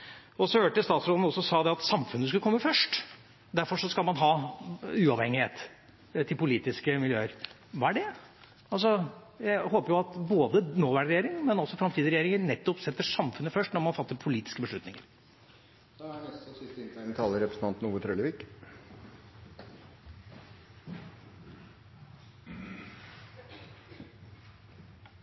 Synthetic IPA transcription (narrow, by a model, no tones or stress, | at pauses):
ɔsɔhøːʈəst̪ɑːt̪sɾoːd̪n̩ɔsːɔsɑːd̪ɛɑt̪sɑmfʉnːəs̬kʉləkʰɔmːəfœʂʈ | d̪æɾfɔʂɔskɑlmɑnɦɑːʉːɑʋhɛŋːɪheːt̪ | t̪ʰɪlpʊliːt̪ɪskəmɪljøːəɾ | ʋɑːæɖɛ | ɑls̬ɔ | jæɪhoːpəɾjʊɑt̪boːd̪ənoːʋæɖɾɛjeːɾɪŋmɛnɔsːɔfɾɑmt̪ʰiːd̪ɾɛjeːɾɪŋənɛt̪ːɔpsɛt̪ːəʂɑmfʉnːəfœʂʈnɔɾmɑnfɑt̪ːəɾpʰʊliːt̪ɪ̥skəbəʂɭʉt̪nɪŋəɾ | dɛæɳɛst̪̩sɪst̪ɪnt̪ænt̪ʰɑːləɾɛpɾəsn̩ʰɑnt̪n̩uːʋət̪ʰɾœləʋiːk